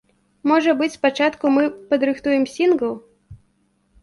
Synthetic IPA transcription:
mɔʐɐbɨt͡sʲspat͡ʂat̪kumɨpɐd̪ɾɨxt̪ujɛmsʲinɡɐw

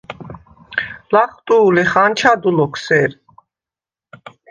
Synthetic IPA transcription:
laχt̪ʼuːliχant͡ʃʰad̪ulɔkʰsɛɾ

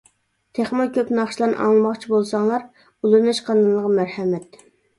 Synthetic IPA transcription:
t̪ʰeχmɑkʲøpnɑχʃlˠɑnʔɑ̰ŋlˠɨmɑχt͡ʃʰibolˠsɑŋlˠɑɾ | ulˠumɛʃqʰɑnɨnlːˠəʁɑmæɾhɛmɛt̪

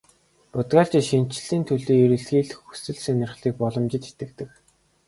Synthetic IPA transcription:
pʊt̪ɢaːɮt͡ɕ̆ʃin̥t͡ɕɪ̆ɮiːnt̪ʰɵɮiːiɾɘ̆ɮxiːɮxu̥sɘ̆ɮsenɪ̆rχɮiːk̚pɔɮɞ̆mt͡ɕɪ̆t͡ɕe̥t̪ɡɘ̆k̚t̪ɘ̆k̚

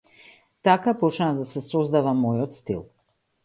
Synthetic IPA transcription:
t̪akapɔt͡ʃnad̪asɛsɔzd̪avamɔjɔt̪st̪ḭlˠ

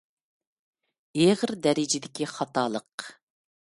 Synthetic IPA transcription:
eʁəɾd̪ɛɾɪd͡ʒɪd̪ɪkʲiχɑt̪ʰɑːlˠəq

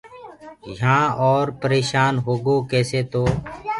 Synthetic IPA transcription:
jãːɔːɾpəɾeːʃaːnɦoːɡoːkɛːseːt̪oː

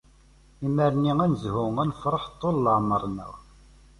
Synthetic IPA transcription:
iməɾniænzhʊŋænfɾˤəħt̪ˤːolːəʕməɾˤnə̰w

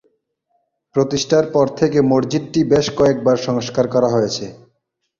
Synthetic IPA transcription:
pɾot̪iʃʈaɾpɔɾt̪ʰekemoɾd͡ʑiʈʈibeʃkɔek̚baɾʃɔŋʃkaɾkɔɾaɦojet͡ɕʰe

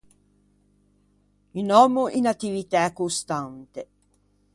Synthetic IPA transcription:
inɔmuʔinat̪ːivit̪akːost̪ant̪e

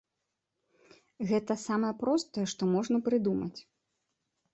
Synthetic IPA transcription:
ɣɛt̪ɐsamɐjɛpɾɔst̪ɐjɛʂt̪ɔmɔʐnɐpɾɨd̪umɐt͡sʲ

